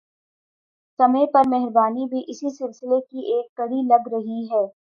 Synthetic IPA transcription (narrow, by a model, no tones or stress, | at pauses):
sɐməjpɐɾmɛɦɾbaːnibʱiʔɪsisɪlsɪlekiʔeːkːɐɽilɐɡɾɐɦiɦɛː